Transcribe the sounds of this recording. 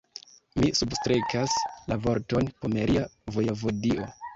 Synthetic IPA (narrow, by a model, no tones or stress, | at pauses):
misubstɾekaslavo̞ɾto̞npomeɾʔiavojovodiʔo̞